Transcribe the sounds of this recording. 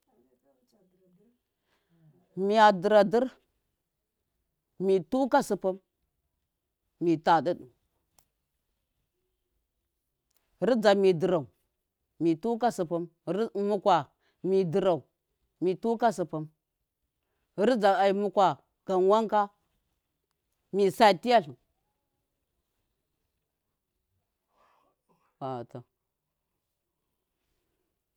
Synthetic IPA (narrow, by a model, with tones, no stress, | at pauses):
mi˨ja˨di˨ɾa˨di˦ɾ | mi˨tu˦ka˦su˨pu˦m | mi˨ta˨di˦ɗu˨˦ | ɾi˦d͡za˨mi˨di˨ɾa˨u˨ | mi˨tu˦ka˦su˨pu˦m˦mu˦kʷwa˨ | mi˨di˨ɾa˨u˨ | mi˨tu˦ka˦su˨pa˨˦m˦ | ɾd͡za˨a˨i˨mu˦kʷa˨ | ɡ̥a˨nwa˦ŋka˦ | mi˨sa˨ti˦ja˦ɬu˨ | wa˨ta˨